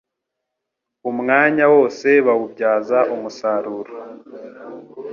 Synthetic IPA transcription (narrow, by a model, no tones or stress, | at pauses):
umŋaːɲawo̞ːse̞βawub̚ɟaːzaʔumusaːɾuːɾo